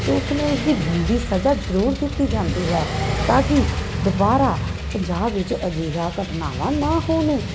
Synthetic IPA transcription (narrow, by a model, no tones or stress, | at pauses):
t̪eʊsmẽːʊsd̪iːbiːʋiːsəd͡ʒaːd͡ʒəɾuːɾk̪iːt̪iːd͡ʒãːnd̪iːɦɛːt̪ãːkiːd̪ʊbaːɾaːpəɲd͡ʒaːbʋɪt͡ʃəd͡ʒiːɾaːkəʈna̰ːʋãːnãːɦoːnẽː